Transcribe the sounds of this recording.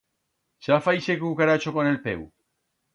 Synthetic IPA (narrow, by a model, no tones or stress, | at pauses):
safajsekukaɾat͡ʃokonelpḛw